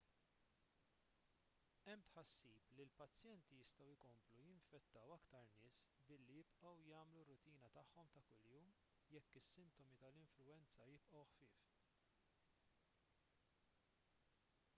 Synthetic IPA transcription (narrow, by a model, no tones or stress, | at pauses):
ɛmːt̪ħɐsːiːplilpɐt͡sːjɛnt̪ijɪst̪ɐwɪkɔmplujɪɱfɛt̪ːɐwɐkt̪ɐɾnɪːsbɪlːijɪpʔɐwjɐːmlurːʊt̪iːnɐt̪ɐħːɔmt̪ɐkʊljuːm | jɛkːɪsːɪnt̪ɔmit̪ɐlɪɱflʊɛnt͡sɐjɪpʔɐwħfɪːf